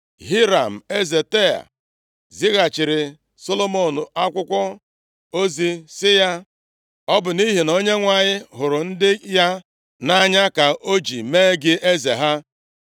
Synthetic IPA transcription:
ɦi˦ɾa˨m̩˨e˦ze˨te˦a̰˨ | zi˦ɣa˨t͡ʃɪ˨ɾɪ˨ | so˦lo˦mo˨nu˨a˦kʷʊ˦kʷɔ˦ | o˦zi˦sɪ˦ja˦ | ɔ˦bʊ˨ni˦ɦi˨no˦ɲe˦ŋʷa˦˨ɲɪ˦ɦʊ˨ɾʊ˨n̩˦dɪ˦ja˦ | na˦ɲa˦ka˨ʔo˦d͡ʒḭ˨meː˦ɡɪ˦ʔe˦zḛ˨ɦa˦

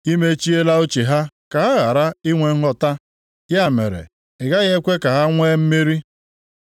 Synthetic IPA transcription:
i˦me˦t͡ʃi˦e˦la˦o˦t͡ʃe˨ɦa˦ka˨ɦa˦ɣa˨ɾa˦i˦ŋʷe˨ŋ̩˦ɦɔ˦ta˦ | ja˦mḛ˨ɾḛ˨ | ɪ˨ɡa˦ɣe˦kʷe˦ka˨ɦa˦ŋʷe˦m̩˦mi˦ɾi˦

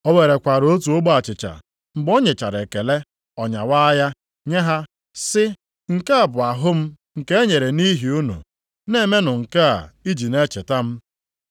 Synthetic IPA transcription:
ɔ˦we˨ɾe˨kʷa˨ɾo˦t̬u˨o˦ɡ͡ba˨t͡ʃɪ˨t͡ʃa̰˨ | ŋ͡m̩˨ɡ͡bɔ˦ɲe˨t͡ʃa̰˨ɾe˨ke˨le˦ | ɔ˨ɲa̰˨wa˦ja˦ | ɲe˦ɦa˦ | sɪ˦ | ŋ̩˨ka˦a˨bʊ˨a˨ɦʊ˦m̩˦ | ŋ̩˨ke˦e˦ɲe˨ɾe˨ni˦ɦi˨u˦nṵ˨ | ne˦˨me˦nʊ˨ŋ̩˨ka˦a̰˨i˦d͡ʒi˨ne˦t͡ʃe˨ta˦m̩˦

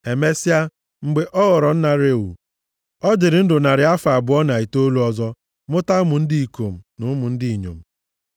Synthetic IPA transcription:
e˨me˦si˦a˦ | ŋ͡m̩˨ɡ͡be˨ʔɔ˦ɣɔ˨ɾɔ˨n̩˦na˦ɾe˦˨ṵ˨ | ɔ˦d͡ʒɪ˨ɾɪ˨n̩˦dʊ˨na˨ɾɪ˨a˦fa˨bʊ˨˦ɔ˦na˨i˨to˦lu˦ɔ˦zɔ˦ | mʊ˦ta˦mʊ˨n̩˦di˦i˨ko˨m̩˨nʊ˨˦mʊ˨n̩˦dɪ˦i˨ɲo̰˨m̩˨

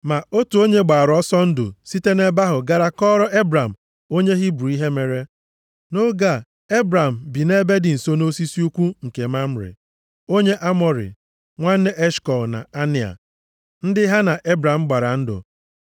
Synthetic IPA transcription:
ma˨o˦tu˨o˦ɲe˦ɡ͡ba˨a˨ɾɔ˦sɔ˦n̩˦dʊ̰˨si˦te˦ne˦ba˦ɦʊ˨ɡa˦ɾa˦kɔ˦ɾɔ˦ʔe˦bɾa˨m̩˨ | o˦ɲe˦ɦɪ˦bu˨ɾi˦ɦe˦me˨ɾe˦ | no˦ɡa˦˨ | e˦bɾa˨m̩˨bi˨ne˦be˦dɪ˨n̩˨so˦no˦si˦si˦u˦kʷu˦ŋ̩˨ke˨ma˦m̩˦ɾɪ̰˨ | o˦ɲe˦ʔa˦mɔ˨ɾɪ̰˨ | ŋʷa˦n̩˦ne˦ʔe˦ʃkɔ˨na̰˨a˦nɪ˨a̰˨ | n̩˦dɪ˦ɦa˦na˨ʔe˦bɾa˨m̩˦ɡ͡ba˨ɾa˨n̩˦dʊ̰˨

